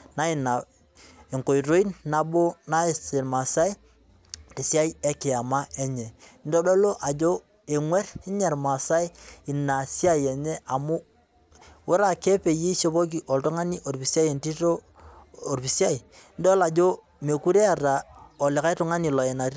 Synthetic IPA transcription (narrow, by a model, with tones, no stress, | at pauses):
na˦i˨na˨ | e˨ŋko˨i˨ɾo˦i˦nna˨bo˦na˦e˨se˨ɾma˨sa˦i˦ | ti˨si˦a˦ji˦e˦kɪ˨a˨ma˦e˦ɲe˨˦n˦do˦do˦lo˦ʔa˨d͡ʒo˦ | e˨ŋwe˦ɾi˦ɲe˨ɾma˨sa˦i˦i˨na˨si˦a˦je˨ɲe˦a˨mu˦ | wo˦ɾa˦ke˦pe˨ji˦ʃe˦bo˦k̬i˨ʔo˨lto˦ŋa˦ni˦ʔo˨ɾpi˨si˦a˦je˨nti˦to˦ | o˨ɾpi˨si˦a˦i˨n˦do˦la˨d͡ʒo˦ | me˨ku˦ɾe˦a˨ɾa˨o˨lɪ˨ka˦i˦tu˦ŋa˦ni˨lɔ˨e˨na˨ɾ